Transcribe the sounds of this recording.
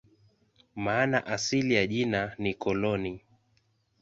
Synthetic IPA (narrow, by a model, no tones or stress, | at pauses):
maːnaʔasilijaʄinanikɔlɔni